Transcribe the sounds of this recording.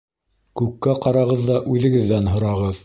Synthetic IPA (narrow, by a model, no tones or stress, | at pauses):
kʉkːæqɑɾɑʁɤðːɑʔʉðɘ̆ɡɘ̆ðːænɦŏɾɑʁɤð